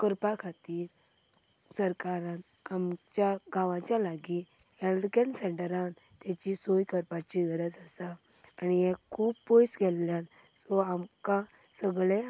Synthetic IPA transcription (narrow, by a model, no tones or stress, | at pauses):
kəɾpakʰat̪iːɾ | səɾkaɾãt̪ | amt͡ɕjaɡaʋãt͡ɕjalaɡi | held̪keɳɖsəɳʈəɾãn | t̪jat͡ɕisojkəɾpat͡ɕiɡəɾəd͡zasaː | niɛkʰuːbpojsɡɛlːjan | sɔamkã | səɡɭẽ